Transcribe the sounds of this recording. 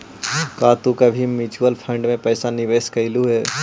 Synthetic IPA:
kaːt̪ukabʱimɪt͡ʃuəlpʰə̃ɳɖmẽpɛːsanɪʋeːskɐɪluɦɛː

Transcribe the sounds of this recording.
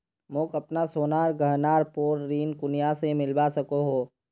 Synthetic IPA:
mõkɐpnasoːnaːɾɡʱɐɦnaːɾpoːɾɾiːnkʊnijasemɪlbasɐkoɦoː

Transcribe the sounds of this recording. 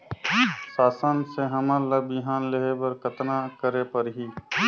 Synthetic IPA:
saːsənseɦəmələbiɦaːnleɦebəɾkət̪nakəɾepəɾɦiː

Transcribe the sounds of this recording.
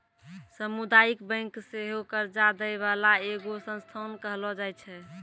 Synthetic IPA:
səmud̪ajikbə̃ŋkseɦokəɾd͡ʒad̪əβalaeɡosə̃nst̪ʰɔnkəɦlɔd͡ʒajt͡ʃʰɛ

